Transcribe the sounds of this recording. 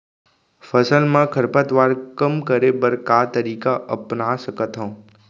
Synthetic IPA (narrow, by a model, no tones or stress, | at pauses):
fəsəlmãkʰəɾpət̪ʋaːɾkəmkəɾebəɾkat̪əɾiːkaʔəpnasəkət̪ɦõ